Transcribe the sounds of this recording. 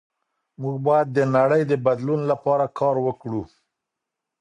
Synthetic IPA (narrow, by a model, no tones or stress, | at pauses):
muɡbɑjad̪̚ːənaɽəjd̪əbad̪lunlapɑɾakʰɑɾwəkɽu